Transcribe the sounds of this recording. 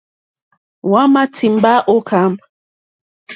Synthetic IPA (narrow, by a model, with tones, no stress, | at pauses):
wa˦ma˦tʰi˨mba˦ʔo˦kʰa˦mb